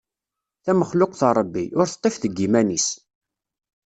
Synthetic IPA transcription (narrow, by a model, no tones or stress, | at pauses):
θæməχlʊqθɾˤəbːiʊɾθt̪ˤːefθəɡːimænis